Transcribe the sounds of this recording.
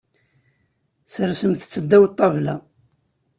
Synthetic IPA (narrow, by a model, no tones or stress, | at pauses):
səɾsəmθt͡sːəd̪ːæwt̪ˤːɑvlæ